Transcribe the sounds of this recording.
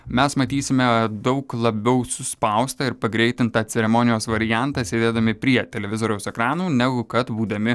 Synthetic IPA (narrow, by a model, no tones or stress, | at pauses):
mʲɛsmɐt̪ʲiːsʲɪmʲɛd̪ɒʊklˠɐbʲɛʊsʊspɐʊst̪ɑɪɾpɐɡɾʲɛɪt̪ʲɪnt̪ɑːt̪sʲɛɾʲɛmɔːnʲɪjoːsʋɐɾʲɪjænt̪ɑːsʲeːd̪ʲeːd̪ɐmʲɪpʲɾʲiɛt̪ʲɛlʲɛʋʲɪzoːɾʲɛʊsɛkɾɑːnuːnʲɛɡʊkɐt̪buːd̪ɐmʲɪ